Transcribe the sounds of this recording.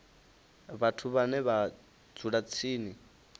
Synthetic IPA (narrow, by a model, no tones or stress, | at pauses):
βatʰuβanɛβḁ | d͡zuɺat͡sʰiːni